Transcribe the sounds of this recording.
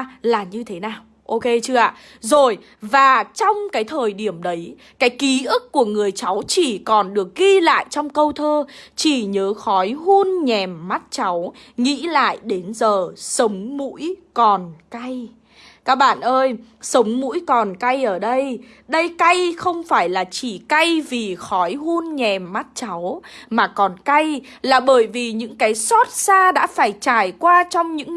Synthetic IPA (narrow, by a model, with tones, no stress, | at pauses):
laː˨˩ɲɨ˧t̪ʰe˨˦naː˨˩w | ʔo˧ke˧t͡ɕɨ˧əʔa̰ː˧˨ | zo˨˩j | vaː˨˩t͡ɕɔ˧wŋ͡mkaː˨˦jt̪ʰəː˨˩jɗi˧˩əmɗə˨˦j | kaː˨˦jki˨˦ʔɨ˦˥k̚kːu˧˩əŋɨ˨˩əjt͡ɕa˨˦wt͡ɕi˧˩kɔ˨˩nɗɨ˨˩ək̚ɣi˧la̰ː˧˨jt͡ɕɔ˧wŋ͡mkə˧wt̪ʰəː˧t͡ɕi˧˩ɲəː˨˦xɔ˨˦jɦu˧ənɲɛ˨˩mːa˦˥t̚t͡ɕa˨˦w | ŋḭ˧˥la̰ː˧˨jɗe˨˦nzəː˨˩sə˨˦wŋ͡mmṵ˧˥jkɔ˨˩nka˧j | kaː˦˥k̚ɓa̰ː˧˨nʔəː˧jsə˨˦wŋ͡mmṵ˧˥jkɔ˨˩nka˧jʔəː˧˩ɗə˧j | ɗə˧jka˧jxə˧wŋ͡mfaː˧˩jlaː˨˩t͡ɕi˧˩ka˧jvi˨˩xɔ˨˦jhu˧nɲɛ˨˩mːa˦˥t̚t͡ɕa˨˦wmaː˨˩kɔ˨˩nka˧j | laː˨˩ɓəː˧˩jvi˨˩ɲɨ̰˧˥ŋkaː˨˦jsɔ˦˥t̚saː˧ɗa̰ː˧˥faː˧˩jt͡ɕaː˧˩jkwaː˧t͡ɕɔ˧wŋ͡mɲɨ̰˧˥ŋ